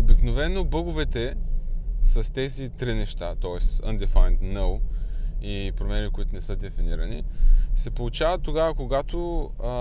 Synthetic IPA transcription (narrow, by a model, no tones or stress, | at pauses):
obiknovɛnːobɤɡʊvɛt̪ɛ | sɐst̪ɛzit̪ɾinɛʃt̪at̪ɔɛsə̰nd̪ɛfajnt̪nəw | ipɾomɛnikoit̪ʊnɛsɤd̪ɛfiniɾɐnisɛpolˠʊt͡ʃavət̪ːoɡavəkoɡat̪o